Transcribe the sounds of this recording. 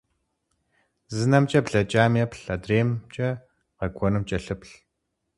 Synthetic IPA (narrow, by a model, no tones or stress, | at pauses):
zɨnɐmt͡ʃʼɐpɮɐt͡ʃʼaːmɐpʰɬɐdreːmt͡ʃʼɐ | qɐɡʷʰɔnɨmt͡ʃʼɐɬɨpɬ